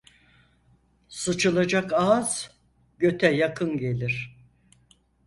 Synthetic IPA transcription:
sɯt͡ʃʰɯlˠad͡ʒakaz̥ | ɟø̞t̪ʰɛjakʰɯnɟe̞lʲiɾ̥

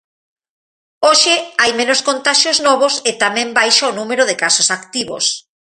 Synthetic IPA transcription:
oʃɪajmẽnoskont̪aʃjoznɔβ̞osɪt̪amẽmbajʃaonumeɾoðɪkasosakt̪iβo̰s

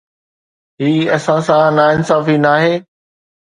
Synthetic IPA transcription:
ɦiːɐsãsãnaːɪnsaːfinaːɦeː

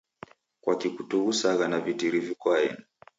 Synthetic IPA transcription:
kwakikutuɣusaɣanavitiɾivikɔaɛ̰na

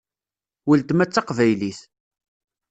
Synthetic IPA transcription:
wəlt̪mæt͡sːɑqvæjliθ

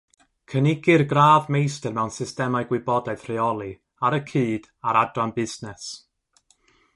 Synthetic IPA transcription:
kʰənɪɡɪrɡraːðmejstɛrmɛwnsɪstɛmaɨɡwɪbɔdaɨð̥r̥ɪɔlˠi | aɾəkʰɨːd̥ | aɾadwanbɪznɛs

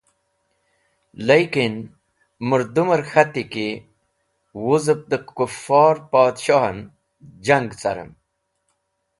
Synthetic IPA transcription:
lejkin | muɾd̪uməɾxat̪iki | wuzəp̚d̪əkufɑːɾpaːd̪ɕoɦn | d͡ʑaŋɡt͡sa̰ɾə̰m

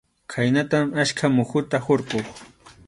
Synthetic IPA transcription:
kʰajnat̪amaʃkʰamʊxʊt̪ahoɾqoχ

